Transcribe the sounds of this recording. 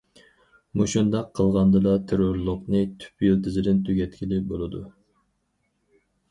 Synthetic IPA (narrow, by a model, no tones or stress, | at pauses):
muʃund̪ɑqʰːəlˠʁɑnd̪ɨd̪ɑt̪ʰeɾoɾlˠʊqnɨt̪ʰy̥pjilt̪ʰɪzɪd̪ɪnt̪ʰyɡʲɛt̪kʲilɪbolˠɨd̪u